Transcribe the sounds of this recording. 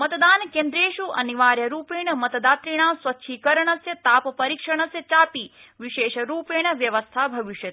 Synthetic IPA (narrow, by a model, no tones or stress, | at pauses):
mɐt̪d̪aːnkeːnd̪ɾeːʃuʔɐ̰niʋaːɾjɐɾuːpeːɳɐmɐt̪d̪aːt̪ɾiɳ̃aːsʋɐtːʃʰikɐɾəɳ̃ɐsjɐt̪aːppɐɾiːkʂɐɳ̃ɐsjɐt͡ʃaːpiː | ʋiʃeːʃɐɾuːpeːɳɐʋjɐʋɐst̪ʰaːbʱɐʋiʃjɐt̪